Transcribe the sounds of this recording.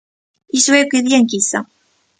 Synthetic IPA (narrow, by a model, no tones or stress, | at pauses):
iswækʷːiðjænkisæ̰